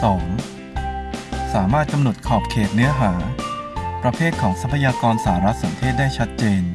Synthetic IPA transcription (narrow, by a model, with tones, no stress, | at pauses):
sɔː˩˦ŋ | saː˩˦maː˥˩t̪̚ka˧mno˨˩t̪̚kʰɔː˨˩p̚kʰeː˨˩t̪̚nɯ˦˥ɐɦaː˩˦ | pɾa˧pʰeː˥˩t̪̚kʰɔː˩˦ŋsa˦˥pʰːa˧jaː˧kɔː˧nsa˧˩a˧ɾa˦˥t̪̚sa˩˦nt̪ʰeː˥˩t̪̚daː˥˩jt͡ɕʰa˦˥t̪̚t͡ɕeː˧n